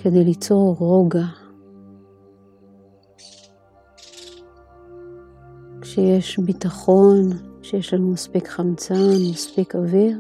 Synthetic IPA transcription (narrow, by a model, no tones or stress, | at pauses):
kʰed̪ejlit͡so̞ʁʁo̞ɡa | kʃejeʃbit̪aχo̞nkʃejeʃlanumaspikχamt͡sanmaspikaveʁ